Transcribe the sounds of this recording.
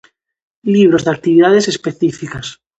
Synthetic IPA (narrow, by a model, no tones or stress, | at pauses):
liβ̞ɾozðeak̚t̪iβiðaðesespeθifikas